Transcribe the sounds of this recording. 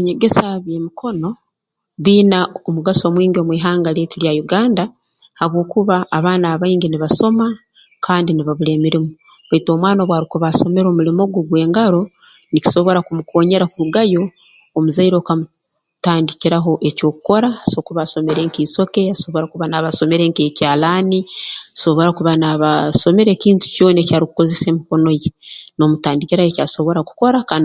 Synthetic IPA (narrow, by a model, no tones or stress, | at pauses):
βeɲeɡe̞saβjeːmikʰo̞no̞ | βiːnaomuɡaso̞ːmwiːŋɡomwiːɦaːŋɡaleːtiɾjajuɡaːnda | haβwo̞ːkuβaːβaːnaːβaiːŋɡiniβaso̞ma | kʰaːndiniβaβule̞ːmiɾimu | βaito̞ːmwaːnaβwaːɾikuβaso̞me̞ɾo̞mulimoɡoɡwe̞ːŋɡaɾo̞ | nici̥so̞βo̞ɾakumukʰo̞ːɲe̞ɾakuɾuɡajo̞ː | muzaiɾo̞ːkamu | taːndikiɾaɦo̞ʔe̞co̞ːku̥ko̞ɾaso̞kuβaso̞me̞ɾe̞ŋkiːso̞ke̞aso̞βoɾakuβanaβaso̞me̞ɾe̞ŋkecaːlaːniaso̞βo̞ɾakuβanaβaso̞me̞ɾe̞ːciːntu̥cjo̞ːnecaːɾiku̥ko̞zese̞ːmiko̞no̞jeno̞mutaːndikiɾajecaso̞βo̞ɾaku̥ko̞ɾaka